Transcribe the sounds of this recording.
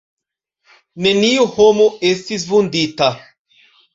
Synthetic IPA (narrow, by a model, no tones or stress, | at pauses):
neniuhomoestis̬vund̪it̪a